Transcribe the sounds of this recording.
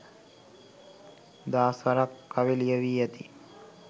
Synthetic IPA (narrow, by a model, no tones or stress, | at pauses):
d̪aːsʋɐɾakːaʋilijɐʋiːjɐt̪i